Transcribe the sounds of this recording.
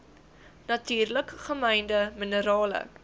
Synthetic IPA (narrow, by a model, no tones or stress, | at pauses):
nɐtyːrləkχəmɛjndəmənəɾɑːlə̰